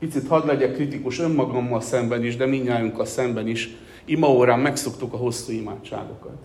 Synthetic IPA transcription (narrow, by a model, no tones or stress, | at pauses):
pit̪sit̪hɒd̪lɛɟɛkːrit̪ikuʃø̞mːɒɡɒmːɒlsɛmbɛniʒd̪ɛmiɲːaːjuŋkːɒlsɛmbɛniʃ | imɒoːɾaːmːɛkso̞kt̪ukɒɦo̞sːuːima̰ːt͡ʃt͡ʃːa̰ːɡo̞̰kɒ̰t̪